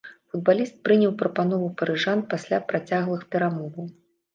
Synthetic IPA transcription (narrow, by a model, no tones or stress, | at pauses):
fud̪̚balʲist̪̚pɾɨnʲɐwpɾɐpanɔvupɐɾɨʐanpasʲlʲapɾat͡sʲaɣlˠɨxpʲɛɾamɔvɐw